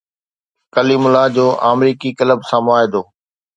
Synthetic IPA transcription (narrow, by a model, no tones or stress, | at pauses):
kəliːmʊlad͡ʑoːʔaːmɾiːkikɐləbsãːmʊaːɦed̪oː